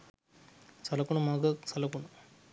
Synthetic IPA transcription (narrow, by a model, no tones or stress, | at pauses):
sɐlɐkʊɳɐmaːɣɐsɐlɐkʊɳɐ